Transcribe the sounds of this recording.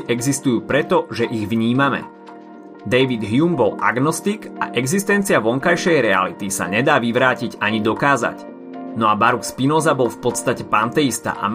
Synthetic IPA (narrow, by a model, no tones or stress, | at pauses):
ʔɛɡzist̪ujuːpɾɛt̪ɔʒɛʔiɣʋɲiːmamɛ̰ | d̪ɛjʋid̪ɦjumbɔla̰ɡnɔst̪iɡa̰ʔɛɡzist̪ɛnt͡siaʋɔŋkajʃɛjɾɛa̰lit̪isa̰ɲɛd̪aːʋiʋɾaːciɟaɲid̪ɔkaːza̰c | nɔabaɾukspinɔːzabɔlfpɔt̪st̪acɛpant̪ɛist̪a̰ʔa̰m